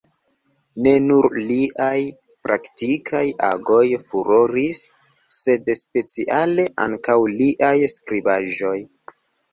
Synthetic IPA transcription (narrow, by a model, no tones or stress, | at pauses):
ne̞nuɾliʔaj | pɾaktikʰaja̰ɡo̞jfuɾoɾisː | e̞dspe̞t͡siʔale̞ʔa̰ŋkawliʔajskɾibaʒo̞j